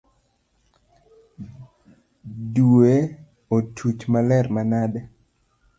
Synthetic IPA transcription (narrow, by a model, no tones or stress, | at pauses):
due | otʰut͡ʃmalɛrmanadɛ